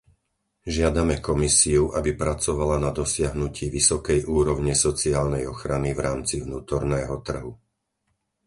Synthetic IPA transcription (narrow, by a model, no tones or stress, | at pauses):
ʒɪad̪amɛkɔmisiuʔabipɾat͡sɔʋalanad̪ɔsɪaɦnuciːʋisɔkɛjʔuːɾɔʊɲɛsɔt͡siaːlnɛjɔxɾanivɾaːmt͡sivnuːt̪ɔɾnɛːɦɔt̪r̩ɦu